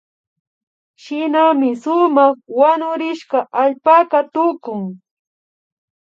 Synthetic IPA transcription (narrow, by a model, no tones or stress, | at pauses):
ʃɪnamɪsʊmɑχwaɲʊɾɪʃkaʔaʎpakat̪ʊkʊŋ